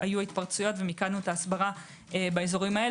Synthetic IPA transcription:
ajuait̪paʁt͡sujo̞t̪ve̞mikanuetaːsbaʁa | ebaezo̞ʁimae

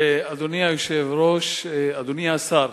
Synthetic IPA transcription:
ad̪unijauʃevɾoʃad̪unijasaɾ

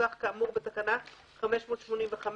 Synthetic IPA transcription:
aχkaːmuʁbet̪akana | χame̞ʃmo̞ːt̪ʃmo̞nimveχam

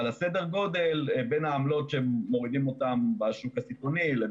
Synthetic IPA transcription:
alasedeʁɡo̞d̪e̞lbe̞nhaːmlo̞tʃemːo̞ʁid̪imo̞tambaʃukasitonile

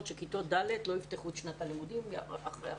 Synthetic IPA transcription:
t̪ʃekit̪od̪alet̪lo̞ifteχut̪ʃnat̪alimud̪imaχʁḛa

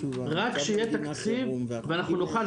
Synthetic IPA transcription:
ʁakʃeijet̪akt͡sivveanaχnunoχa

